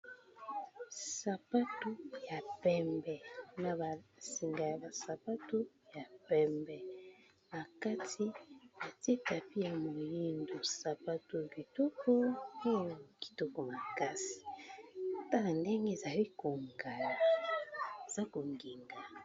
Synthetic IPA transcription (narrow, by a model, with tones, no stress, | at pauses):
sa˨pa˦tu˦ja˨pɛ˦mbɛ˨na˨ba˨si˨ŋɡa˨ja˨ba˨sa˨pa˦tu˦ | ja˨pɛ˦˨mbɛ˨ | a˨ka˦tʰi˦ba˨te˦ta˨pi˦ja˨mo˨ji˦ndo˨sa˨pa˦tu˨bi˨to˦ko˦e˦˨ki̥˨to˨ko˨ma˨ka˦si̥˨ | ta˦a˨nde˦ŋɡe˦˨za˨ɾi˦ko˨ŋɡa˨la˨ | z̥a˦ko˨ŋɡi˨ŋɡa˨